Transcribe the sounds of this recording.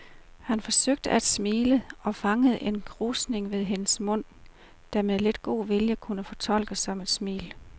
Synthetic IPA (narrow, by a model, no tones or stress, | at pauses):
hænfɒ̽søɡ̥̚d̥əʔæd̥smiːləɒ̽fɑ̈ŋəð̞̩ˠe̝nɡ̥ʰʁuːsne̝ŋʋe̝ð̞ˠɦe̝nəsmɔ̽n̰ | d̥æmeðˠle̝d̥̚ɡ̥o̝̰ːʋiljəkʰunəfɒ̽t͡sʰɒ̽l̰ɡ̥əsɒ̽me̝d̥smḭːl